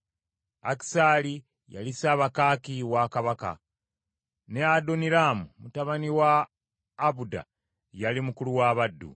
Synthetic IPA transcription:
aki̥sali | ja̰lisaːβakaːkiwakaβaka̰ | neadoniɾaːmumutaβaniwaː | βuda̰ | jalimukuluwaːβadːṵ

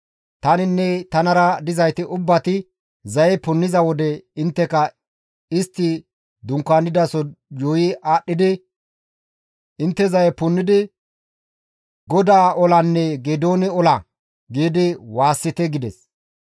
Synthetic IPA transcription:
t̪ɐnɪnːɛt̪ɐnɐɾɐd̪ɪzɐjt̪ɪʔʊbːɐt̪ɪ | zɐjɛpʊnːɪzɐwɔd̪ɛɪnt̪ːɛkɐ | ɪst̪ːɪ | d̪ʊŋkːanːɪd̪ɐsɔjoːjɪʔaːɗːɪd̪ɪ | ɪnt̪ːɛzɐjɛpʊnːɪd̪ɪ | ɡɔd̪aːʔɔlɐnːɛɡed̪oːnɪɔlɐ | ɡiːd̪ɪwaːsːɪt̪ɛɡɪd̪ɛs

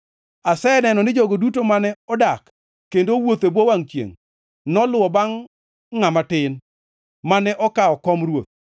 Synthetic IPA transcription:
asɛnɛnɔnɪd͡ʒoɡodutomanɛɔdakː | endowot̪ebowaŋt͡ʃjḛŋ | nɔlʊwɔbaŋː | amatɪn | manɛʔɔkaɔkɔmɾwot̪̚

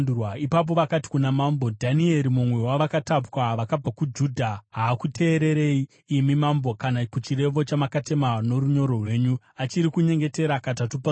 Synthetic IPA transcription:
waipap̬o̞ʋakati̥kunamambodʱanie̞ɾimumwe̞waʋakatapwaʋakab͡vakud͡ʒudʱaɦaːkutʰe̞ːɾe̞ɾe̞i | imimambo̞kanakut͡ʃiɾe̞ʋo̞t͡ʃamakate̞mano̞ɾuɲo̞ɾo̞rwe̞ːɲu | at͡ʃiɾikuɲe̞ŋɡe̞te̞ɾakatatupa

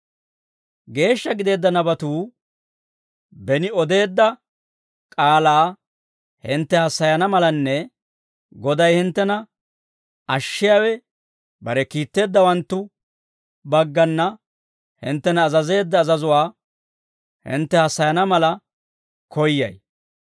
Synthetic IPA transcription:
ɡe̞ːʃːɐɡɪd̪e̞ːd̪ːɐnɐbɐt̪uː | bɛnɪɔd̪e̞ːd̪ːɐ | kʼaːlaː | hɪnt̪ːɛhɐsːɐjɐnɐmɐlɐnːɛ | ɡɔd̪ɐjhɪnt̪ːɛnɐ | ɐʃːɪjaːwɛ | bɐɾɛkiːt̪ːe̞ːd̪ːɐwɐnt̪ːʊ | bɐɡːɐnːɐ | hɪ̰nt̪ːɛnɐːzɐze̞ːd̪ːɐːzɐzʊwaː | hɪ̰nt̪ːɛhɐsːɐjɐnɐmɐlɐ | kɔjːɐ̰j

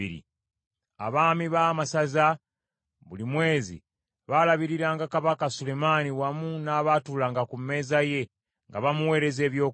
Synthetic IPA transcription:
ḭɾḭ | a̰βaːmiβaːmasaza | βulimwe̞ːzḭ | βalaβiɾiɾaːŋɡakaβakasule̞maniwamunaːβaːtuːlaːŋɡakume̞ːzaje̞ | ŋɡaβamuwe̞ːɾe̞ze̞ːβjo̞ː

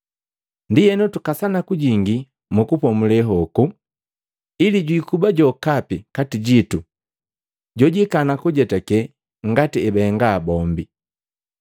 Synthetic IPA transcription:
ndijɛnutukasanakuɟiŋɡi | mukupɔmulɛɦɔku | iliɟwikubaɟɔkapikatiɟitu | ɟɔɟikanakuɟɛtɛkɛ | ŋ̩ɡatiɛbɛːŋɡaːbɔmbi

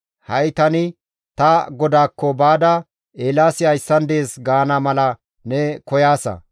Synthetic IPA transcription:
hɐjt̪ɐnɪ | t̪ɐɡɔd̪aːkːɔbaːd̪ɐ | eːlaːsɪhɐjsːɐnd̪e̞ːsɡaːnɐmɐlɐ | nɛkɔjaːsɐ̰

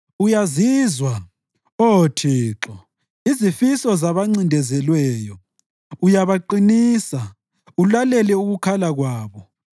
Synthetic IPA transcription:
ujaziːzwa | otʰiːǁɔ | izifisɔzaβaŋ͡ǀindʱɛzɛlwɛːjɔ | ujaβaǃiniːsa | ulalɛlɛuɣukʰalaɣwaːβɔ

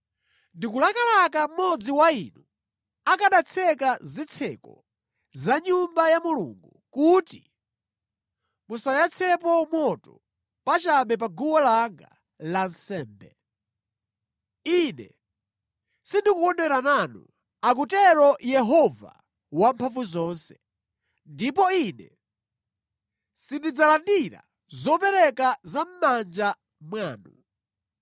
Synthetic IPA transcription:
ndikulakalakam̩mɔd͡ziwainu | akaɗat͡sʰɛkazit͡sʰɛ̰kɔ̰ | zaɲumbajamulṵŋɡu | kuti | musajat͡sʰɛpɔmwɔtɔ | pat͡ʃaɓɛp̬aɡuwɔlaŋɡa̰ | lan̩sɛːmbɛ | inɛ̰ | sindikukɔndɛɾananṵ | ak̬utɛɾɔjɛɦɔva̰ | wampʰaɱvuzɔːnsɛ̥ | ndip̬ɔinɛ̰ | sindid͡zalandiɾa̰ | zɔpɛɾɛkazam̩mand͡ʒa | mwaːnṵ

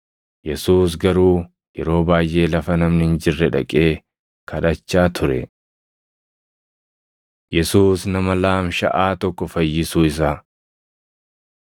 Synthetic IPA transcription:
jɛsuːs̬ɡɐɾuː | jɛɾo̞ːbaːjʔe̞ːlɐfɐnɐmnhɪnd͡ʒɪrːɛᶑɐ̰kʼe̞ː | kʰɐᶑɐt͡ʃːaːt̪ʰʊɾɛ̰ | jɛsuːsnɐmɐlaːmʃɐ̰ʔaːt̪ɔkːɔfɐjːɪsuːɪs̬aː

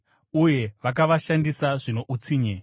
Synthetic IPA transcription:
uje̞ʋak̬aʋaʃandisaʐino̞ʔut͡siːɲe

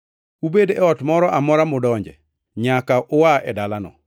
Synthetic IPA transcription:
ubedɛɔtmɔɾɔʔamɔɾamʊdɔɲd͡ʒɛ̰ | ɲakaʔʊwaɛdalanɔ̰

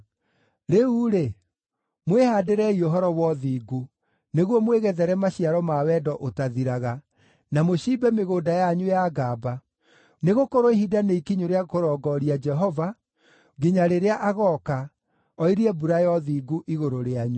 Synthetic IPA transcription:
ɾeuɾe | mwehaːdeɾɛioɦɔɾɔwɔðiːɡu | neɣwɔmweɣɛðɛɾɛmaɕiaɾɔmawɛdɔʔotaðiɾaɣa | namoɕiːbɛmeɣoːdajaɲujaɡaːba | neɣokoɾoiɦidaneikiɲoɾeakoɾɔɡɔɾiad͡ʒɛɦɔva | ɡiɲaɾeɾeaʔaɣɔka | ɔiɾiɛbuɾajɔðiɡuʔiɣoɾoɾeaɲu

